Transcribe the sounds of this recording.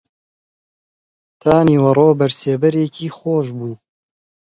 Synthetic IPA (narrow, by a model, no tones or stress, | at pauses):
t̪ʰaːniːwɐrˤoːbɐɾseːbɐɾeːkiːxoːʃbuː